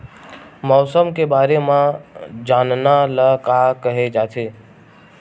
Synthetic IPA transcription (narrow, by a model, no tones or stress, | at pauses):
mɔːsəmkebaːɾemãd͡ʒaːnnaləkakəɦed͡ʒaːt̪ʰe